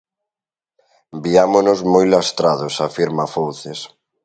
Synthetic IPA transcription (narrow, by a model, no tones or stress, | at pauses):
biamonozmojlast̪ɾaðosafiɾmafowθes